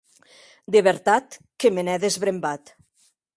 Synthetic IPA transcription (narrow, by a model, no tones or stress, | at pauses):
d̪eβeɾt̪at̪kemenɛðezβɾembat̪